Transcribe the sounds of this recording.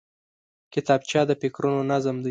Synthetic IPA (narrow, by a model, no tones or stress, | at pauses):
kɪt̪ɑb̚t͡ʃɑd̪əpɪkɾunonazəmd̪a